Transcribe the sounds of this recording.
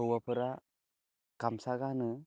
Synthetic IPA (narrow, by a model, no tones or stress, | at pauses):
ɯwapʰɯɾa | kamsaɡanɯ